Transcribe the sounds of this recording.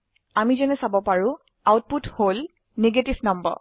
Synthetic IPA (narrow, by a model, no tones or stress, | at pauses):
amizɔnɛsabɔpaɹʊ̃ | awt̚puthol | neɡetifnɔmbɔ̰